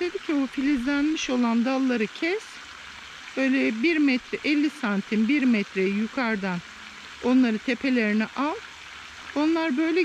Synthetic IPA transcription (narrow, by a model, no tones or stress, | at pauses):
d̪ʰed̪icʰiufilʲizlʲænmiʃo̞lˠand̪alˠːaɾɯcʰɛs | b̥ø̞jlʲɛbiɾmɛt̪ʰɾɛʔɛlʲːisant̪ʰinbiɾmɛt̪ʰɾɛjjukʰaɾd̪an | o̞nlˠaɾɯt̪ʰepʰe̞lʲe̞ɾinɛʔalˠ | o̞nlˠaɾbø̞jlʲɛ